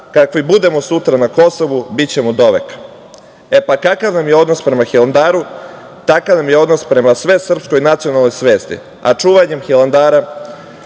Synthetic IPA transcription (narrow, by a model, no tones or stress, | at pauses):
kakʋibud̪e̞mo̞sut̪ɾanako̞so̞ʋubit͡ɕe̞mud̪o̞ʋḛkḁ | e̞pakakaʋnamjeo̞d̪nospɾe̞maxiland̪aːɾu | t̪akaʋnamje̞o̞d̪no̞spɾe̞masʋe̞sr̩psko̞jnat̪sijo̞nalˠno̞jsʋe̞ːst̪ḭ | a̰t͡ʂuːʋaɲe̞mxiland̪aːɾa